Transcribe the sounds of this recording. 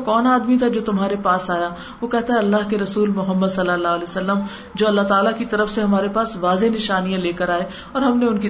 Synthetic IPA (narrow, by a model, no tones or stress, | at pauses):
kɔːnaːd̪mit̪ʰad͡ʒoːt̪ʊmɦaːɾepaːsaːja | ʋoːkɛɦt̪aɦɛɐlːaːɦkeɾɐsuːlmʊɦəmːəd̪sɐlːəlːaːɦlɛːsɐlːəm | d͡ʒoːɐlːaɦt̪aːlakit̪ɐɾəfseɦɐmaːɾepaːsʋaːzenɪʃaːnijãleːkəɾaːe | ɔːɾɦɐmneʊnki